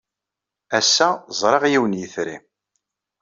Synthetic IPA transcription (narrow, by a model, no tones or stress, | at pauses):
æsːæzˤɾˤɑʁjiwənjəθɾḭ